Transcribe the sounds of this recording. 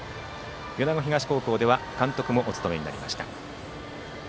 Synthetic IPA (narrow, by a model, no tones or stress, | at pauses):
jo̞naɡo̞çʲiɡaɕi̥ko̞ːko̞ːd̪e̞βakãnt̪o̞kɯ̟mo̞ʔot͡sɨ̥t̪o̞me̞ɲina̰ɾʲima̰ɕi̥t̪a̰